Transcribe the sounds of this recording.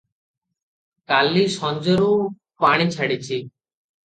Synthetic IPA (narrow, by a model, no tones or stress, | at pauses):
kaliʃɔnd͡ʑoɾu | paɽ̃it͡ɕʰaɽit͡ɕʰi